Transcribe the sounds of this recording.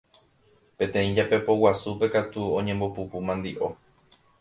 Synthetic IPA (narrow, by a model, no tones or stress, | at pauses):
pẽ̞t̪ẽ̞ĩd͡ʒape̞po̞wasupe̞kat̪uõɲẽmbopupumãnd̪iʔo̞